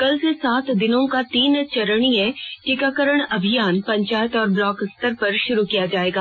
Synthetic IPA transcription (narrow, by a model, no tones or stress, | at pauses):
kɐlsesaːt̪ʰd̪ɪnõkat̪iːnt͡ʃɐɾəɽ̃iɦɛʈikakəɾəɽ̃ɐbʱijaːnpɐ̃ɲt͡ʃaːjət̪ɔːɾblɔːkst̪əɾpɐɾʃʊɾukijad͡ʒaːeːɡaː